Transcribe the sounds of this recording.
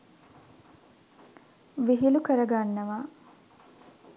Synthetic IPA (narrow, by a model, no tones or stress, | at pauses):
ʋiɦilukəɾəɡanːɐʋa